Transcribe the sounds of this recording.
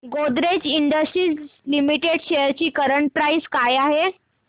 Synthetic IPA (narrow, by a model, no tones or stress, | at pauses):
ɡod̪ɾed͡ʑiɳɖəsʈɾiːslimiʈeɽɕejəɾt͡ɕiːkəɾəɳʈ̚pɾaiskajaɦe